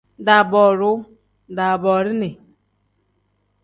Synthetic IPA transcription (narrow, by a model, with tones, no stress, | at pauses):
da˨bɔ˨ɾʊ˦˨ | da˨bɔ˨ɾi˦ni˨